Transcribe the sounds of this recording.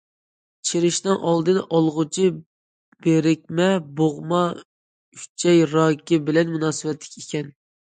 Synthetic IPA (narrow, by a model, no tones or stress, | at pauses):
t͡ʃʰiɾɪʃnɨŋʔɑlˠd̪ɨnʔɑlˠʁʊt͡ʃʰi | b̥eɾɪk̚ʲmɛboʁmɑ | y̥t͡ʃʰɛjɾɑːkʲibɪlɛnmunɑːsɨwɛt̪ʰlɪ̥kʲekʲʰɛn